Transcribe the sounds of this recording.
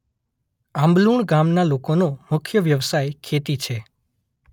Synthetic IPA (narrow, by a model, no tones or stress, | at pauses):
ãmbluɳɡamnalokonomʊkʰjəʋjəʋsajkʰet̪it͡ʃʰe